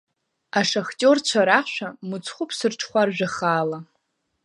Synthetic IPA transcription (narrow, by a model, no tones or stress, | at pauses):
aʂaχtʲʼort͡ɕʷʰaɾaʃʷᶣamɨt͡sʰʼχʷʊpʰsɨrʈ͡ʂʰχʷarʒᶣaχaːla